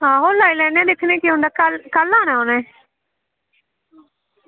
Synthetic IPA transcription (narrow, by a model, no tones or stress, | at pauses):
ɦãːɦoːlaːilɛ̃ːnɛ̃ːd̪ɪkʰnẽːkiɦʊ̃nd̪aːkəlkəlːaːñãːonɛ̃ː